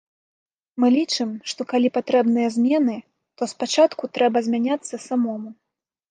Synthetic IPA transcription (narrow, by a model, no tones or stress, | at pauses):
mɨlʲit͡ʂɨmʂt̪ɔkalʲipat̪ɾɛbnɨjɐzʲmʲɛnɨ | t̪ɔspat͡ʂat̪kut̪ɾɛbɐzʲmʲanʲat̪sːɐsamɔmu